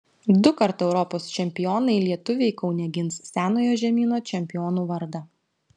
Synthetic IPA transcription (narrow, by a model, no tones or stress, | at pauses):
d̪ʊkɐɾt̪ɛʊɾɔpoːst͡ʃʲɛmʲpʲɪjɔːnɐɪlʲiɛt̪ʊʋʲeɪkɒʊnʲɛɡʲɪnssʲæːnoːjoːʒʲɛmʲiːnoːt͡ʃʲɛmʲpʲɪjɔːnuːʋɐɾd̪ɐ